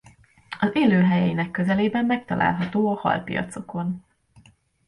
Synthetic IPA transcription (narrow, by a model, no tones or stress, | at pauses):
ɒzeːløːɦɛjɛjinɛkːøzɛleːbɛmːɛk̚t̪ɒlʔa̰ːlɦɒt̪oːɒhɒ̰lpḭjɒ̰t̪so̞ko̞n